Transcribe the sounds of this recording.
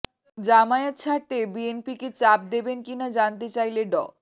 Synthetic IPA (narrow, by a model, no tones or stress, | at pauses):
d͡ʑamaeet̪̚t͡ɕʰaʈːebienpiket͡ɕap̚d̪ebenkinad͡ʑant̪̬et͡ɕajleɖɔ